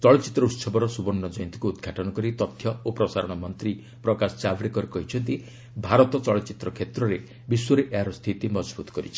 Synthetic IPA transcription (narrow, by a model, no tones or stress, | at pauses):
t͡ʃɔɭɔt͡ʃit̪ɾɔut̪sɔbɔɾɔsubɔnːɔd͡ʒɔjɔnt̪i̥kuːd̪ɡʱaʈɔnɔkɔɾit̪ɔt̪ʰjɔopɾɔsaɾɔɽ̃ɔmɔnt̪ɾi | pɾɔkasɔ̥t͡ʃabɾikɔɾekɔɦit͡ʃʰɔnt̪i | bʱaɾɔt̪ɔt͡ʃɔɭɔt͡ʃit̪ɾɔkʰet̪ɾɔɾe | biswɔɾeʔaɾɔst̪ʰit̪imɔd͡ʒbut̪ɔ̥kɔɾḭt͡ʃʰi̥